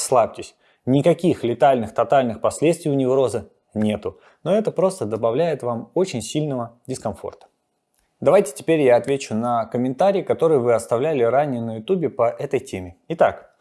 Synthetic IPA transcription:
slˠapʲtʲɪsʲ | nʲɪkɐkʲixlʲɪt̪alʲnɨxt̪ɐt̪alʲnɨxpɐsʲlʲet̪st̪vʲɪjʊnʲɪvɾo̞zɨ | nʲe̞t̪ʊ | no̞ɛt̪əpɾo̞st̪əd̪əbɐvlʲæjɪt̪vamo̞t͡ɕɪnʲsʲilʲnəvədʲɪskɐnfo̞̰rt̪ə̥ | d̪ɐvajtʲɪ̥tʲɪ̥pʲeɾʲjaɐt̪vʲet͡ɕʊnəkəmʲɪnt̪aɾʲɪːkɐt̪o̞ɾɨjɪvɨɐst̪ɐvlʲælʲɪɾanʲɪjənəjʊt̪ubʲɪpɐʔɛt̪əjtʲemʲɪɪt̪ak

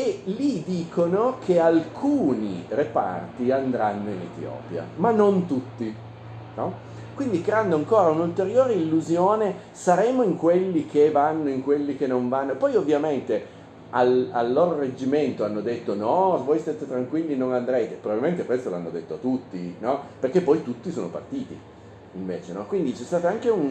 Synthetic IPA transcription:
elid̪iːkʰonokʰealkʰuːnirepa̰rt̪iand̪ɾanːoinḛt̪jɔ̰ːpja̰manːont̪ut̪ːi | nɔ | kwind̪ikɾeand̪oaŋkoːɾaunult̪eɾjoːɾeilːuzjoːne | saɾeːmoiŋkwelːik̟evanːoiŋkwelːik̟enːoɱvanːopɔjovːjament̪e | alalːoːɾored͡ʒːiment̪oanːod̪et̪ːonɔvojst̪aːt̪et̪ɾaŋkwilːinoŋand̪ɾɛːt̪epɾobabilment̪ekwɾest̪olanːod̪et̪ːoat̪ːut̪ːinɔperkepːɔjt̪ut̪ːisoːnopa̰rt̪iːt̪ḭ | iɱveːt͡ʃenɔkwind̪it͡ʃɛst̪aːt̪aaŋk̟eun

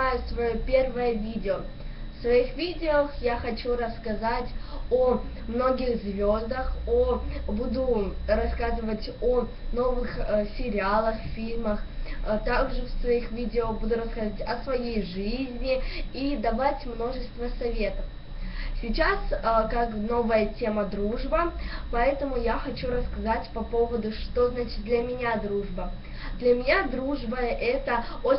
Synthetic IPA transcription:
ajʊsvɐjopʲe̞rvəjəvʲidʲɪo | fsvɐixvʲidʲɪoːxjaxɐt͡ɕuɾəskɐzatʲo | mno̞ɡʲɪɣzvʲo̞zd̪əxobud̪ʊrɐskazɨvətʲo | no̞vɨxsʲɪɾʲɪalˠəxffʲilʲməxt̪aɡʐɨfsvɐixvʲidʲɪobud̪ʊɾəskɐzatʲɐsvɐjejʐɨzʲnʲɪid̪ɐbatʲmno̞ʐɨst̪vəsɐvʲe̞t̪əf | sʲɪt͡ɕaskakno̞vəjətʲe̞məd̪ɾuʐbəpɐɛt̪əmʊjaxɐt͡ɕuɾəskɐzatʲpɐpo̞vəd̪ʊʂt̪o̞znat͡ɕɪ̥t̪̚d̪lʲəmʲɪnʲad̪ɾuʐbə | d̪lʲəmʲɪnʲad̪ɾuʐbəʔɛt̪əo

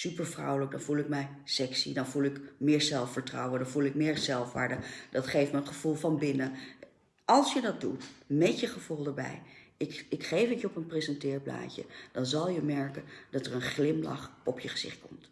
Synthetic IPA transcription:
sypəɹvrɔwləɡ̚dɑnvulˠɪkmɛj | sɛksḭdɑnvulˠɪkmɪːɹzɛlˠfəɹtrɑwəndɑnvulˠɪk̚mɪːɹzɛlˠfʋa̰ːɹdəd̥ɑtχejftməəχəv̥ulˠvɑnbɪnə | ɑlˠsjədɑt̚dutmɛtəχəv̥ulˠdəɹbɛ̰jɪɪkχejfətjəɔpənpresɛntɪːɹpla̰ːcə̰d̥ɑnzɑlˠjəmɛɹkənd̥ɑtəɹənχlɪmlɑ̰χɔpʰjəχəz̥ɪ̰χt̚kɔmt

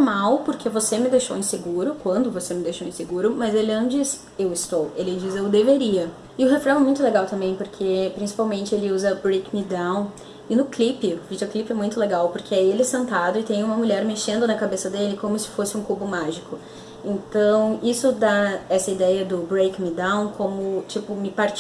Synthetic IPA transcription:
mawpoɾkʰevosemɪd̪ejʃo̰wẽseɡuɾʊkwɐ̃nd̪ʊvosemɪd̪ejʃowẽseɡuɾʊmɐzelɪɐ̃d͡ʒiz | ewɪst̪owelɪd͡ʒizewd̪eveɾiɐ | ɪʊɦefɾɐ̃w̃ɛmũj̃t̪ʊleɡawt̪ɐ̃mbẽj̃poɾkʰepɾĩsi̥pawmẽnt͡ʃɪelɪuzɐbɾejkmid̪ãw̃ | ɪnʊklipɪʊvid͡ʒioklipɪɛmũj̃t̪ʊleɡawpoɾkʰeɪaielɪɛsẽnt̪ad̪ʊɪt̪ẽj̃ũmɐmuʎɛɾmeʃẽnd̪ʊnɐkabesɐd̪elɪkõmʊsɪ̥fosɪũkubʊmaʒikʊ | ẽnt̪ɐ̃w̃isʊd̪aɛsɐid̪ɛjɐd̪ʊbɾejkmid̪ãw̃kõmʊt͡ʃipʊmɪpaɾt͡ʃ

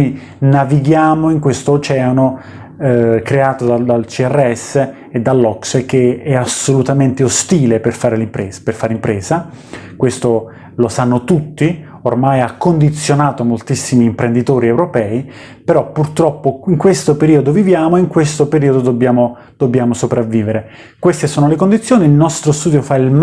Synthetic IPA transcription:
i | naviɡjaːmoiŋkwest̪oːt͡ʃɛːano | kɾeaːt̪od̪ad̪alt͡ʃiɛrːeɛsːe | ed̪ːalːɔksk̟eɛasolut̪ament̪eost̪iːleperfaːɾelimpɾeperfaːɾeimpɾeːza | kwest̪o | losanːot̪ut̪ːi | ormajakːond̪it̪sːjonaːt̪omolt̪isːimiːmpɾend̪it̪oːɾiewɾopɛːi | peɾɔpːurt̪ɾɔpːoiŋkwest̪opeɾiːod̪ovivjaːmoeiŋkwest̪opeɾiːod̪od̪obːjaːmo | d̪̥obːjaːmosopɾavːiːveɾe | kwest̪esoːnolekond̪it̪sjoːniːlnɔst̪ɾost̪uːd̪jofailm

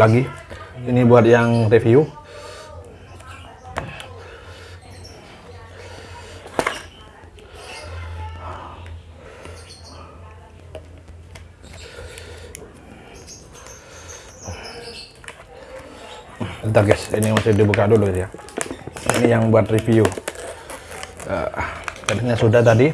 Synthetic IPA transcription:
aɡiinibuat̪̚jaŋrifiu | nt̪ərɡɛsḭnimasɪdibukadʊʔloɡitja | ḭnijaŋbuat̪rifiu | ə̰kət̪kɲasudaht̪adi

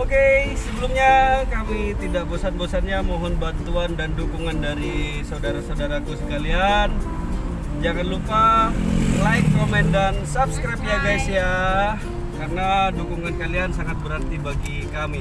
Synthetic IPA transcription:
okesəbəlʊmɲakamit̪idaʔbosanbosanɲamɔɦɔnbant̪uandandukuŋandaɾi | saudaɾasaudaɾakusə̥kalian | d͡ʒaŋanlupa | laɪt̪komɛndansapskɾajpjaɡajsia | karənadukuŋankaliansaŋat̪̚bəɾərt̪ibaɡi | kami

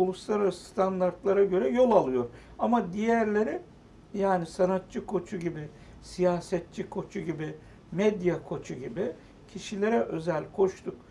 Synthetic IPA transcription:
ulˠuslˠaɾaɾsɯ̥st̪ʰand̪aɾt̪lˠaɾaɟø̞ɾɛjo̞lˠalˠɯjo̞ɾ | amad̪ijæɾlʲeɾɪ | jaːnisanat̪̚t͡ʃʰɯkʰo̞t͡ʃʰuɟibɪ | sijaːsɛt̪̚t͡ʃʰikʰo̞t͡ʃʰuɟibɪ | mɛd̪jakʰo̞t͡ʃʰuɟibi | cʰiʃilʲe̞ɾɛʔø̞zɛlʲkʰo̞ʃt̪ʰuk

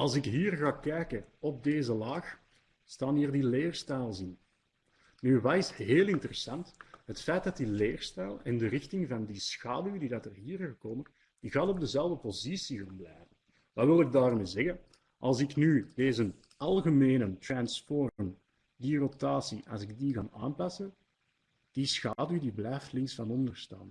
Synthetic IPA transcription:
ɑlˠzɪkɦiːrɣaːkɛjkəɔb̚deːzəlaːx | staːnɦiːrdileːrstɛlˠzɪn | nyʋɑtɪsɦeːlˠɪntərəsɑntɦətfɛjt̚dɑtileːrstɛlˠɛndərɪxtɪŋvɑndisxaːdywdidɑtərɦiːrɣəkoːmən | d̥iɣɑːnɔb̚dəzɛlˠvdəpozisiɣaːnblɛ̰jvən | ʋɑʋɪlˠɪɡ̚daːrmeːzɛɣən | ʔɑ̰lˠzɪknyd̥eːzən | ɑlˠɣəmeːnəntrɑnsfɔrən | dirotaːsiʔɑ̰lˠzɪɡ̚diɣa̰ːna̰ːnpɑsən | d̥isxaːdydiblɛjftlɪŋsfɑnɔndərsta̰ːn

